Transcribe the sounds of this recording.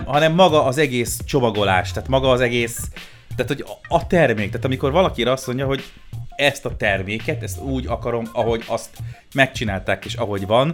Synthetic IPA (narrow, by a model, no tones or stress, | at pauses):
ɦɒnɛmːɒɡɒʔːzɛɡeːst͡ʃo̞mɒɡo̞la̰ːʃt̪aːt̪mɒɡɒːzɛɡeːs | t̪ːaːt̪hoɟɒt̪ɛrmeːkt̪aːt̪ɒmiko̞rvɒlɒkiɾɒsmo̞ɲɟɒɦo̞ɟ | ɛst̪ɒt̪ɛrmeːkɛt̪ɛst̪uːɟɒkɒɾo̞mɒɦo̞ɟɒst̪ | mɛk̚t͡ʃinaːlt̪aːkeːʃɒɦo̞ɟvɒn